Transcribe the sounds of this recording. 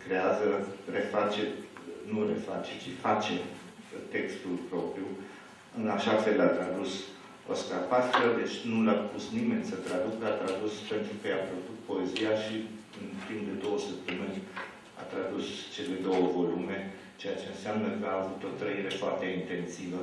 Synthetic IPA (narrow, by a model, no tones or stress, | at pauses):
kɾe̞azəre̞fat͡ʃe̞nuɾe̞̰fat͡ʃe̞̥t͡ʃifat͡ʃe̞ | t̪e̞kst̪ulpɾo̞pɾiju | ɨnaʃafe̞lat̪ɾad̪us | o̰skarpaskəd̪e̞t͡ʃʲnulapusnimenʲsət̪ɾad̪ukat̪ɾad̪uspe̞nt̪ɾukəjapɾokut̪̚po̞e̞zijaʃi | ɨnt̪impd̪e̞d̪o̞wəsəp̚t̪əmɨnʲ | a̰t̪ɾad̪ust͡ʃe̞le̞d̪o̞wəvo̞lume̞ | t͡ʃe̞jat͡ʃe̞ɨnseamnəkəaːvut̪o̞t̪ɾəiɾe̞foart̪e̞int̪e̞nsivə